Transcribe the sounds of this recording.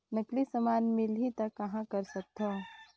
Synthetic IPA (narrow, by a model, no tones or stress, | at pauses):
nɐklisɐmaːnmɪlɦit̪ɐkɐɦãkɐɾsɐk̚t̪o